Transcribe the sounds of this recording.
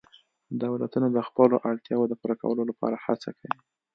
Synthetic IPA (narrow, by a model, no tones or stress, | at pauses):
d̪awlat̪unod̪əxpəloʔaɽt̪jɑwod̪əpuɾaka̰wəlolapɑ̰ɾahat͡sa̰kawi